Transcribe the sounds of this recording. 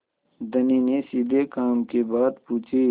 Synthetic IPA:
d̪əninesid̪ekaːmkebaːd̪puːt͡ʃʰe

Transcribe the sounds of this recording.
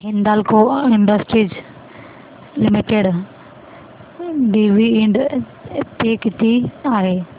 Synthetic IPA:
ɦɪ̃nd̪alkoɪ̃ɳɖəsʈɾid͡ʑ | lɪmɪʈeɽ | ɖiːʋiɖ | peːkt̪iaːɦeː

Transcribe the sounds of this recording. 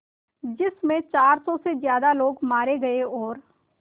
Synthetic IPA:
d͡ʒɪsmẽt͡ʃaːɾsɔːsezjaːd̪aloːɡmaːɾeɡɐeɔːɾ

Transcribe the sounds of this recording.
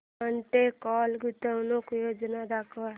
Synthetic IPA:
əɳʈ̪ekɔlɡut̪ənokjod͡ʒnad̪akʰʋa

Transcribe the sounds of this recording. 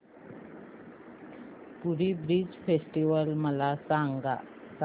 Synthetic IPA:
puɾiːbɾid͡ʑfesʈiʋəlməlasaŋɡa | s

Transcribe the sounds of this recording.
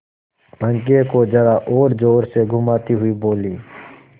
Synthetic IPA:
pə̃ŋk̬ẽkod͡ʒəɾaʔoːɾd͡ʒoːɾseɡʱʊmaːt̪iɦʊiboːliː

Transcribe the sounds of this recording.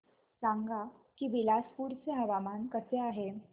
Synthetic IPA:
sãŋɡakiːʋilaspuɾt͡seɦəʋamankəseaɦe

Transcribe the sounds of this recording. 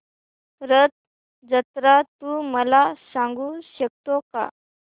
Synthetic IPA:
ɾət̪̚ | d͡zət̪ɾat̪uːməlasãŋɡuːɕək̚t̪oka̰

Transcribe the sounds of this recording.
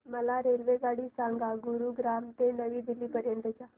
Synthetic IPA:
məlaɾelʋeɡaɽiːsãŋɡaɡuɾuɡɾamt̪enəʋiːd̪ilːiːpəɾjənt̪ət͡ɕa

